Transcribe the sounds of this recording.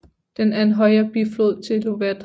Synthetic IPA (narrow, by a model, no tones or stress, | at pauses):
d̥enæɐe̝nɦɒ̽ɪɐb̥iflo̝ð̰ˠt͡sʰe̝lo̝ʋæd̥